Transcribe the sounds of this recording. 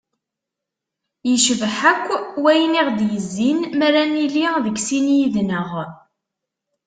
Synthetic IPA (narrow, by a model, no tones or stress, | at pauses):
jəʃəvħækʷːwæjniʁd̪jəzːinmæɾæniliðəɡsinjiðnəʁ